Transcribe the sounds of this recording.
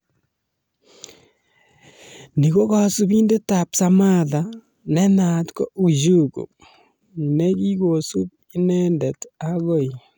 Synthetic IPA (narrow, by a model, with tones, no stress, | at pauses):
ni˨ko˦ka˨su˦bi˦nde˦ta˨psa˦ma˦ða˨ | nɛ˦na˨tko˦u˨d͡ʒu˦kṵ˨ | nɛ˦ɡi˦ɡo˨su˦b̚ | i˦nɛ˦ndɛ˨taɣo˦˨i˨